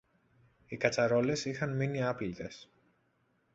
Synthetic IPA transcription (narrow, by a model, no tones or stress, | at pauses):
ikɐt͡sɐɾo̞le̞sixɐnminiɐpilt̪e̞s